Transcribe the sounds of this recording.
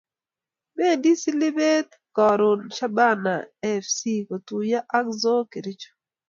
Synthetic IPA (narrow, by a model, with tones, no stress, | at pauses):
me˦˨ndi˦si˦lɪ˦be˦t̪ | kɔ˨ɾʊ˨nʃa˦ba˦na̰˨ɛ˦fsi˦ko˨tu˨ja˦ʔa˦kzo˦ke˨ɾi˦t͡ʃo̥˨